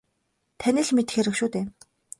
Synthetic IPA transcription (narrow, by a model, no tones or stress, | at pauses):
t̪ʰænĭɮmet̪ɘ̥̆xeɾɘ̆kʃuːt̪eː